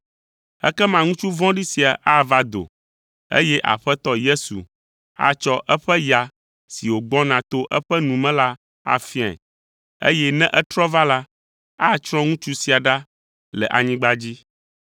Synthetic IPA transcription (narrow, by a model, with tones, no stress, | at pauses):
ɛ̰˦kɛ˦mã˨ŋũ˦t͡ʃu˦vɔ̃˦ɖi˦si˨a˨ʔa˦va˦d̪o̰˨ | ḛ˦jɛ˦ʔa̰˨ɸɛ˦t̪ɔ˦je˦sṵ˨ | a̰˦t͡ʃɔ˦ʔɛ˦ɸɛ˦ja˨ | si˨wo˨ɡ͡bɔ̃˦nã˨t̪o˦ʔɛ˦ɸɛ˦nũ˨mɛ̃˦la˦ | a̰˦fi˦a̰˨ | ḛ˦jɛ˦nɛ̃˦ʔɛ˦t̪ɾɔ˦va˦la˦ | a˦t͡ʃɾ̃ɔ̃˦ŋũ˦t͡ʃu˦si˨a˨ɖa˦ | lɛ˨ʔa˨ɲĩ˦ɡ͡ba˦d͡ʑi˦